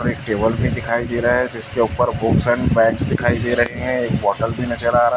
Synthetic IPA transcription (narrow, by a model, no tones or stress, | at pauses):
ɾeːk̚ʈeːbəlbʱid̪ɪkʰaːid̪eːɾɐɦɦɛd͡ʒɪskeuːpəɾbʊksɛ̃ːɳɖpɛ̃ːksd̪ɪkʰaːid̪eːɾɐɦeɦɛ̃eːkʋɔːʈəlbʱinɐt͡ʃəɾaːɾa